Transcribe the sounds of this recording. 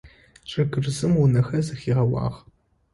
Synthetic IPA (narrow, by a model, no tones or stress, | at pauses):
t͡ʃʼɐɡɨrzɨmwʊnɐxɐzɐxiːʁɐwɑ̰ːʁ